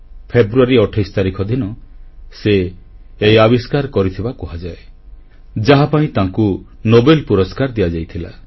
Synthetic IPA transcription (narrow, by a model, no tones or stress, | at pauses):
pʰebɾuaɾiɔʈʰajst̪aɾikʰɔd̪ʱinɔseː | jabiskaɾkɔɾit̪ʰibakɔɦad͡ʒae | d͡ʒaɦapaĩt̪ãŋku | nobelpuɾɔskaɾd̪ijad͡ʒajt̪ʰila̰